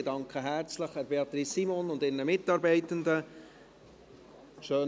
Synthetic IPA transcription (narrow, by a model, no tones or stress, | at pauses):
ədɑŋkχəɦæɾt͡sləχhɛɾbeɑt̪ɾisːimonʊndɪrnəmɪtɑːɾbɛɪtənd̪ə | ʃøːn